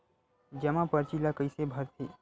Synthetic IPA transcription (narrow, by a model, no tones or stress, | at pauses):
d͡ʒəmãpəɾt͡ʃilakəɪsebʱəɾt̪ʰi